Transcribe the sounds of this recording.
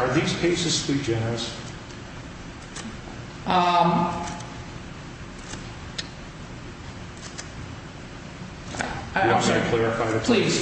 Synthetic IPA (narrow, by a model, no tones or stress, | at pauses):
ə˞ðiz̥pʰeɪsɨz̥slid͡ʒɛnə˞ɨs | ʔʌm | saɪkʰl̥ɛɹɨfaɪɨpʰl̥iz̥